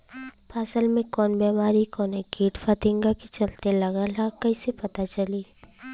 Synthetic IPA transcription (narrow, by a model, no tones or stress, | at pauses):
paːsəlmẽkɔːnbɛːmaːɾikɔːneɡiːʈfʰət̪ɪ̃ŋɡakit͡ʃɐlt̪elɐɡalakɐĩsepɐt̪at͡ʃɐliː